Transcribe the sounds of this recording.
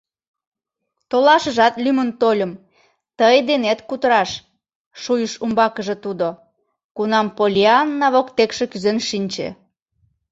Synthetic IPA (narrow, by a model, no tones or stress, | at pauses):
t̪olɑʃəʒɑt̪lymənt̪olʲəm | t̪əjd̪enet̪kut̪əɾɑʃ | ʃujəʃumbɑkəʒĕt̪ud̪o | kunɑmpolʲiɑnːɑβokt̪ekʃekyzenʃinʲt͡ɕḛ